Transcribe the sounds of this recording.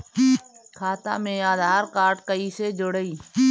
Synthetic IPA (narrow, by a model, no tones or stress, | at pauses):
kʰaːt̪a̰ːmẽaːd̪ʱaːɾkaːɾʈkəiːsed͡ʒʊɽəiː